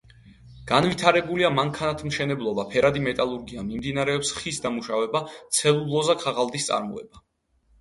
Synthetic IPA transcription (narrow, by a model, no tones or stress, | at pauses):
ɡ̥anvit̪ʰaɾɛbuliamaŋkʰanat̪ʰmʃɛnɛblˠɔbapʰɛɾʔad̪imɛt̪ʼalˠuɾɡiamimd̪inaɾɛɔpsχisd̪amuʃavɛbat̪sʰɛlˠulˠɔzakʰaʁalˠd̪ist̪sʼa̰ɾmɔ̰ɛ̰ba